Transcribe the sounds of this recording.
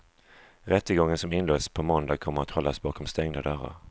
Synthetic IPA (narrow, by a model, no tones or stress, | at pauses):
ɾɛt̪ːəɡɔŋːənsɔmɪnloːspʰɔmɔnd̪ɑkʰɔmːəɾat̪hɔlːasbɑːkʰɔmst̪ɛŋd̪ad̪œɾa̰ɾ